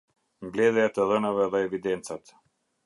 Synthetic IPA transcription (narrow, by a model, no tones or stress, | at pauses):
mblɛðjat̪ɛðɛnavɛðɛːvid̪ɛnt͡sat̪